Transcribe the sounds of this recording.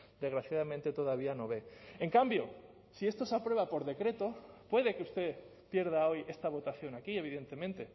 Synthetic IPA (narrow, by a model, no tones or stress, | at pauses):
d̪e̞zɣɾaθjaðamẽnt̪e̞t̪o̞ðaβ̞iano̞βe̞eŋkambjo̞ | sie̞st̪o̞sapɾwe̞βapo̞ɾðe̞kɾe̞t̪o̞pwe̞ð̞e̞keust̪e̞ | pje̞ɾð̞aoje̞st̪aβ̞o̞t̪aθjo̞nakie̞β̞iðe̞nt̪e̞mẽnt̪e̞